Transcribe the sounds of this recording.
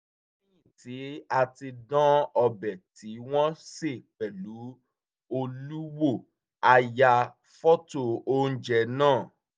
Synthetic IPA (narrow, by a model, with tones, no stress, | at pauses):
ĩ˦ĩ˦˨ti˨˦a˧ti˧dã˦ɔ˧bɛ˨ti˨˦w̃ɔ̃˦se˦˨pɛ˨lu˨˦ | o˧lu˦wo˦˨ | a˧ja˧ | fɔ˦to˨o˦n̩˦d͡ʒɛ˦˨nãː˦˨